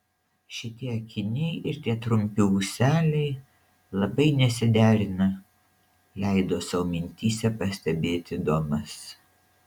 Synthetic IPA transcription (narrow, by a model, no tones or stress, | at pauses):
ʃʲɪt̪ʲiɛɐkʲɪnʲɛɪʔɪɾt̪ʲiɛt̪ɾʊmʲpʲɪʊsʲæːlʲɛɪ | lˠɐbɐɪnʲɛsʲɪd̪ʲæːɾʲɪnɐ | lʲɛɪd̪oːsɐʋomʲɪnʲt̪ʲiːsʲɛpɐsʲt̪ʲɛbʲeːt̪ʲɪd̪oːmɐs